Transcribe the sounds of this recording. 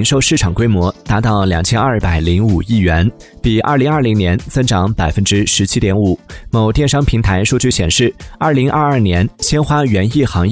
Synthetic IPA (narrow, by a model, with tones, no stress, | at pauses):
ŋʂo˥˧ʊʂɻ̩˥˩ʈ͡ʂʰɑ˨˩ŋkwe˥ɪmwɔ˧˥t̪a˧˥t̪ɑ˥˩ʊljɑ˨˩ŋt͡ɕʰjɛ˥nɐ˞˥˩pa˨˩ɪli˧˥ŋu˨˩i˥˩ɥɛ˧˥n | pi˨˩ʔɐ̰˞˥˩li˧˥ŋɐ˞˥˩li˧˥ŋnjɛ˧˥nt͡sɤ˥ŋʈ͡ʂɑ˧˥ŋpa˨˩ɪfə˥nʈ͡ʂɻ̩˥ʂɻ̩˧˥t͡ɕʰi˥t̪jɛ˧˥nu˨˩˦mo˨˩ʊt̪jɛ˥˧nʂɑ˥ŋpʰi˧˥ŋt̪ʰa˧˥ɪʂu˥˧t͡ɕy˥˩ɕjɛ̰˨˩nʂɻ̩˥˩ɐ˞˥˩li˧˥ŋʔɐ˥˧a˞˥˩njɛ˧˥nɕjɛ˥nxwa˥ɥɛ˧˥ni˥˩xɑ˧˥ŋ